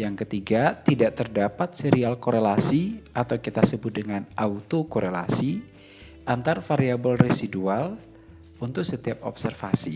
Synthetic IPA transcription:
jaŋkət̪iɡat̪idaʔt̪ərdapat̪̚seɾialkoɾelasiʔat̪awkit̪asəbʊt̪̚dəŋanʔaut̪okoɾela̰si | ʔant̪arfaɾiabɔlresidual | unt̪ʊk̚sət̪iap̚ɔ̰p̚sɛrfasi

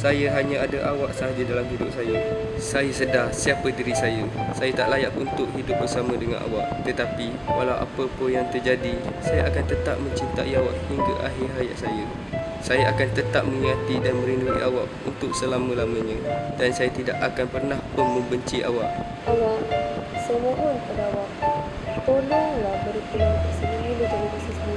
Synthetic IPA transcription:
sajəɦaɲãadaʔawaʔsadidalamɦidʊp̚sajə | sajəsədahsiapədiɾisajəsajət̪aʔlajakunt̪ʊʔɦidʊp̚bərsamə̃dəŋa̰nʔa̰waʔ̚t̪ət̪api | wʔa̰lawʔa̰pəpənjaŋt̪ərd͡ʒadisajəʔakant̪ət̪ap̚mə̃ɲt͡ʃint̪a̰ʔiawaʔhiŋɡaʔaɦɪɦaja̰ʔsajə | sajaʔakant̪ət̪ap̚mə̃ŋiŋat̪idanmə̃ɾinduḭʔawa̰ʔṵnt̪ʊk̚səlamə̃lamə̃ɲə̃dansajat̪ida̰ʔakanpərnahpʊnmə̃mbəɲt͡ʃiʔa̰waʔ | alasəmoɦɔnpənawaʔ | p̪olalahbəɾit̪əlat̪əsənimulud͡ʒanabasismi

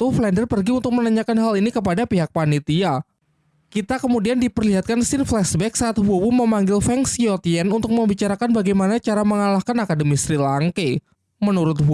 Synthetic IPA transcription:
t̪ʊhflɛndərpərɡiunt̪ʊk̚mənaɲakanɦalinikəp̬adapiɦak̚panit̪ia | kit̪akəmudiandipərliɦat̪̚kansɪnflɛsbɛk̚saʔːt̪̚ɦuowuməmaŋɡɪlfɛŋsiot̪iɛnunt̪ʊk̚məmbit͡ʃaɾakanbaɡajmanat͡ʃaɾaməŋalahkanakadəmist̪ɾilaŋke | mənuɾʊt̪̚w

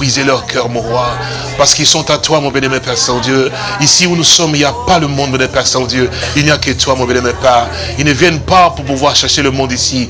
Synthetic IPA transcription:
ʁizelœʁkʰœʁmɔ̃ʁwa | paʁsə̥kilsɔ̃t̪at̪wamɔ̃bɛnɛmɛ̃pɛsɑ̃d̪jø | isiunusɔmiljapaləmɔ̃d̪bə̃nɛpɛsɛ̃d̪jøilnijakət̪wamɔ̃bɛnɛmɛ̃paʁ | ilnəvjɛnpapuʁpuvwaʁʃɛʁʃeləmɔ̃d̪isi

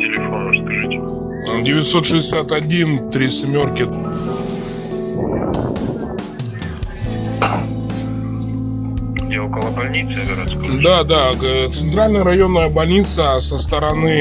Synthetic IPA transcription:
tʲɪlʲɪfonəʂskɐʐɨtʲ | dʲɪvʲɪtʲso̞t̪ʂɨzʲɪsʲat̪ɐdʲint̪ɾʲisʲɪmʲo̞rkʲɪ | ɡdʲeokəlˠəbɐlʲnʲit̪sɨnɡʲɪɾat̪skod̪ad̪at̪sɨnt̪ɾalʲnəjəɾɐjo̞nːəjəbɐlʲnʲit̪səsəst̪əɾɐnɨ

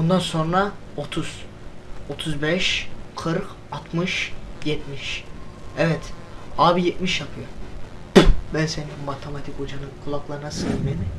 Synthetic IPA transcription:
bund̪anso̞nɾao̞t̪ʰuz̥ | o̞t̪ʰuzbɛʃkʰɯɾk | at̪mɯʃjɛt̪miʃɛvɛt̪aːbijɛt̪miʃjapʰɯjoɾ | bænseninmat̪ʰemat̪ʰiko̞d͡ʒanɯnkʰulˠaklˠaɾɯnasɯmemɪ

